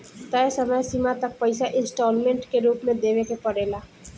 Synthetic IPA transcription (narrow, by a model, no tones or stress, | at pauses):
t̪əjsəməjsimat̪ɐk̚pəɪsaʔɪ̃nsʈɔːlmẽɳʈkeɾuːpmẽd̪eːʋekepɐɽeːlaː